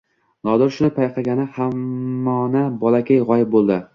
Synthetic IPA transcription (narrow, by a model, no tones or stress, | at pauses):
nɒd̪ɪɾʃʊnɪpʰajqʰɑɡʲanɪhamːɒnabɒlakʲajʁɒjɪp̚bolˠd̪ɪ